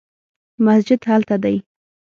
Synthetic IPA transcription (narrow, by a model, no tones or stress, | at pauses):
masd͡ʒɪd̪halt̪ad̪aj